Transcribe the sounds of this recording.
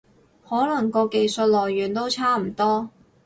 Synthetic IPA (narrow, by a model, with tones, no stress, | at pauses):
hɔː˨˥lɐ˨˩ŋkɔː˧ke˧jsə˧t̚lɔː˨˩jːyː˨˩nt̪o˥wt͡sʰaː˥m̩˨˩t̪ɔː˥